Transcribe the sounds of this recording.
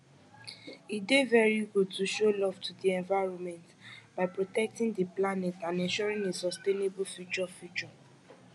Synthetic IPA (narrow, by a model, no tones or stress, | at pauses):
itdevɛɹiɡud̚tuʃolɔvtʰudiɛ̃ɱvaɹɔ̃nmɛ̃ntbaɪpɹotɛk̚tĩŋdiplanɛtãnɛ̃nʃɔɹĩŋesɔstenebufjut͡ʃɔfjut͡ʃɔ